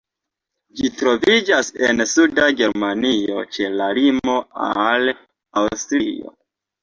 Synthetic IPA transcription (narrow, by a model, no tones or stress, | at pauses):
d͡ʒitɾo̞vid͡ʒase̞nsudaɡe̞ɾmanio̞̰t͡ʃe̞lalimo̞a̰l | awstɾḭo̰